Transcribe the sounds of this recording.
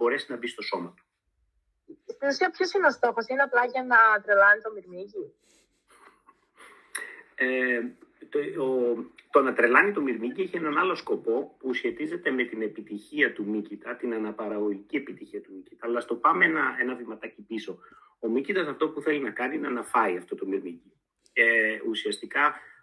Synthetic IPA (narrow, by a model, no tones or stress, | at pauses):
bo̞ɾe̞sinɐbist̪o̞so̞mɐt̪u̥ | it̪iusiɐpçosino̞st̪o̞xosineɐplɐʝɐnɐt̪ɾelɐnit̪o̞miɾmiʝi | e | t̪o̞nɐt̪ɾe̞lɐnit̪o̞miɾmiʝieçie̞nɐnɐlo̞sko̞po̞pusçe̞t̪ize̞t̪e̞me̞t̪ine̞pit̪içiɐt̪umicit̪ɐt̪inɐnɐpɐɾɐɣo̞ʝicie̞pit̪içiɐt̪umicit̪ɐːlɐst̪o̞pɐmenɐʔe̞nɐvimɐt̪ɐcipiso̞ | o̞micid̪ɐsɐft̪o̞puθe̞linɐkɐninɐnɐfɐiɐft̪o̞t̪o̞miɾmiʝi | eusiɐst̪ikɐ